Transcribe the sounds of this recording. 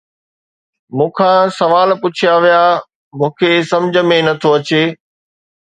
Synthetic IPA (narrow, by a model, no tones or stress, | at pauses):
mũːkʰãːsɐʋaːlpʊt͡ɕʰijaʋijaː | mũːkʰesɐmd͡ʑʱə̆mẽnɐt̪ʰoɐt͡ɕeː